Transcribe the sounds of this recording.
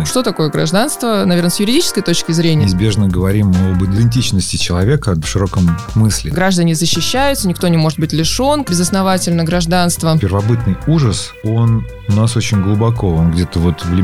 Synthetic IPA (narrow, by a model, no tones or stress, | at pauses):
ʂt̪o̞t̪ɐko̞jəɡɾɐ̰ʐd̪anst̪vənɐvʲernəsʲjʊɾʲɪdʲit͡ɕɪ̥skəjt̪o̞t͡ɕkʲɪzɾʲenʲɪɪzbʲe̞ʐnəɡəvɐɾʲimobɨd̪ʲɪɪnʲtʲit͡ɕnəsʲtʲɪt͡ɕɪlˠɐvʲe̞kəʂɨɾo̞kəm | mɨsʲlʲɪ̰ɡɾaʐd̪ənʲɪzəɕːɪɕːæjʊt̪sənʲɪkt̪o̞nʲɪmo̞ʐɨt̪̚bɨtʲlʲɪʂo̞nbʲɪzəsnɐvatʲɪlʲnəɡɾɐʐd̪anst̪vəpʲɪrvɐbɨt̪̚nɨjuʐəs | o̞n | ʊnaso̞t͡ɕɪnʲɡlˠʊbɐko̞onɡdʲe̞t̪əvo̞t̪vlʲɪ